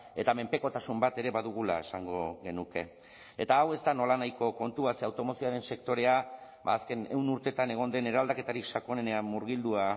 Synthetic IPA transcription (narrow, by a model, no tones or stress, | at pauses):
e̞t̪ame̞mpe̞ko̞t̪asumbat̪e̞ɾe̞βaðuɣula̰e̞saŋɡo̞ɣe̞nuke̞̰ | et̪aːwe̞zd̪ano̞lanajko̞ko̞nt̪uaseawt̪o̞mo̞sioaɾe̞nse̞kt̪o̞ɾe̞a | baːske̞ne̞̰wnuɾt̪e̞t̪ane̞ɣ̞o̞nd̪e̞ne̞ɾald̪ake̞t̪aɾikʃako̞nene̞amːuɾɣild̪ua